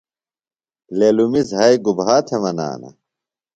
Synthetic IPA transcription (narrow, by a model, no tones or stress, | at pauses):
lelumizɦɐjɡubɦaːt̪ʰemɐna̰ːnɐ̰